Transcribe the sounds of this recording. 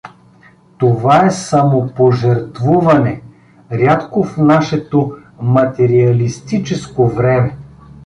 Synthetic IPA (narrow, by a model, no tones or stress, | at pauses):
t̪ovaɛsɐmopoʒɛɾt̪vuvɐnɛ | ɾʲat̪kofnaʃɛt̪o | mɐt̪ɛɾiɐlist̪it͡ʃɛskovɾɛmɛ